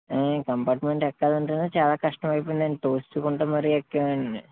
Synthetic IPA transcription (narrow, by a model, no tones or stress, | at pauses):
akɐmpaːʈmeɳɖekːaːðuɳɖunːɐt͡ɕaːlakɐʂʈɐmaːjipːunt̪ɐːnʈoːstːɨkoɳɖɐmɐriokːeaɳɨ